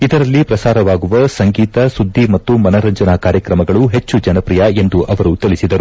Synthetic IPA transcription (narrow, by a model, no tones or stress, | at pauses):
id̪ɐɾɐlːipɾɐsaːɾɐʋaːɡuʋɐsɐŋɡiːt̪ɐsud̪ʱːimɐt̪ːumɐnɐɾɐɲd͡ʒɐnakaːɾjɐkɾɐmɐɡɐɭuɦe̞t͡ʃːud͡ʒɐnɐpɾijɐe̞nd̪uʔɐʋɐɾut̪ilisid̪ɐɾu